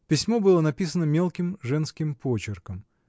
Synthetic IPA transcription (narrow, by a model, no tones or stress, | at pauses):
pʲɪsʲmobɨlˠənɐpʲis̬ənəmʲelˠkʲɪmʐɛnskʲɪmpot͡ɕɪrkəm